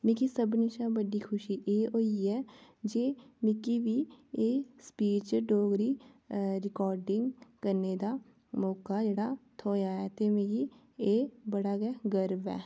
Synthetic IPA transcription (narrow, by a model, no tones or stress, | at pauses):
mɪkisəbnɪʃabəɽikʰʊʃiʔeːoːjeɛːd͡ʒeːmɪkibieːspiːɾt͡ʃɖoːɡɾi | ɾɪkɔːɾɖɪ̃ŋɡkɐɾned̪a | mɔːkad͡ʒeːɽat̪ʰoːjaɛt̪emeːki | eːbəɽaɡɛɡəɾbɛ̰ː